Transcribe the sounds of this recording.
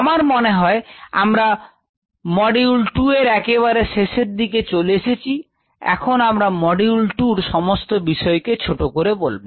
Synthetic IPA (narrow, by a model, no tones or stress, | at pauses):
amaɾmoneɦɔea̰mɾa | mɔɖilʈueɾɛkeβaɾeʃeʃeɾd̪iket͡ɕoleʃet͡ɕʰi | ɛ̰kʰonamɾamɔɖiulʈuɾʃɔmost̪obiʃɔeket͡ɕʰoʈokoɾebolbo